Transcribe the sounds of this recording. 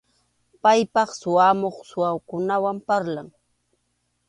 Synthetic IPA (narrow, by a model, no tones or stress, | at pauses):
pajpɑχsʊamoχsʊawkʊnawampaɾlaŋ